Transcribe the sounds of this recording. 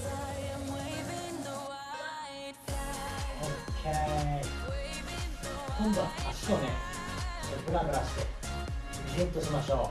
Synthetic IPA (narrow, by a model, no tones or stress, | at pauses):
õe | kõnd̪õaɕi̥t̪onẽ | ebɯ̟ɾãɡɯɾaɕi̥t̪e | izẽnt̪oɕimaɕo̞ː